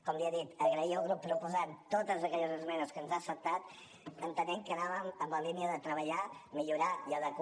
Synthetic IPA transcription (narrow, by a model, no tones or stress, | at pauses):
kɔmliəðit̪əɣɾəiəlˠɣɾupːɾupuzant̪ot̪əzəkɛʎəzəzmɛnəskənzaəsəp̚t̪at̪ | ənt̪ənɛŋkənaβəməmbəliniəðət̪ɾəβəʎamiʎuɾaiəðək